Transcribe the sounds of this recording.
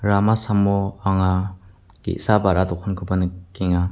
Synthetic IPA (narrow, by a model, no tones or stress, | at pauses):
ɾamasamɔaŋa | ɡ̥ḛʔsabaɾatɔkʰɔnkʰɯbanɯkiŋa